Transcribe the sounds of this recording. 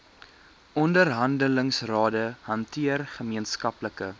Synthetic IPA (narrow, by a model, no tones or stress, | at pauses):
ɔndərɦɐndələŋsrɑːdəɦɐntʰiərχəmiənskɐpləkə